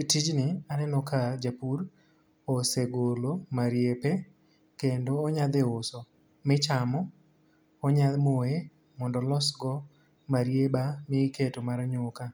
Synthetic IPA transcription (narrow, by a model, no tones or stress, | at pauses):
tid͡ʒnɪanɛnɔkad͡ʒapur | oseɡolomaɾjepe | kendoːɲad̪eosɔ | mɪt͡ʃamɔ | ɔɲad̪moe | mɔndɔlɔsɡɔ | maɾjebamɪketomaɾɲoka